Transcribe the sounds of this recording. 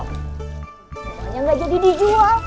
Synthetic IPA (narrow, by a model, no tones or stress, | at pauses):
ɲaŋɡad͡ʒaɗiɗid͡ʒua